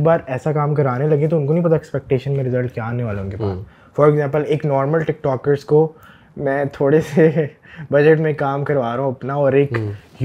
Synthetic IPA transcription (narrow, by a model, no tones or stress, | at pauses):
baːɾɛːsakaːmkɐɾʋaːnelɐɡẽt̪̬oʊnkonɐɦĩpɐt̪aɛkspɛk̚ʈeːʃənmẽɾɪzəlʈkjaaːneʋaːleʊnkepa̰ːs | fɔːɾɛɡzɛ̃ːmpəleːknɔːɾməlʈɪk̚ʈɔːkəɾsko | mɛ̃ːt̪ʰoːɽese | bɐd͡ʒəʈmẽkaːmkɐɾʋaːɾaũɐpnaɔːɾeːk | j